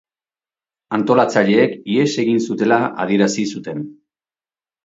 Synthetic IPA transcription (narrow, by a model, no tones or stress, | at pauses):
ant̪o̞lat͡saʎe̞ːkie̞se̞ɣinsut̪e̞laʔa̰ð̞ie̞ɾasisut̪e̞n